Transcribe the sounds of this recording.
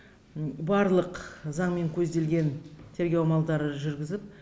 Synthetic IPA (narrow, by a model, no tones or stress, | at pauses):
bɑɾlˠəqzɑɴme̞ŋkʲʰɵzd̪e̞lɡʲe̞nt̪ʲʰe̞ɾɡʲewmɑlˠd̪ɑɾəʒʏɾɡʲɪzɪp̚